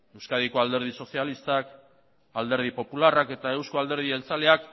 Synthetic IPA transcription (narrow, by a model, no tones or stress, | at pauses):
e̞wskað̞iko̞ald̪e̞ɾð̞iso̞sialist̪ak | ald̪e̞ɾð̞ipo̞pularake̞t̪ae̞wskoald̪e̞ɾð̞ie̞lt͡sale̞ak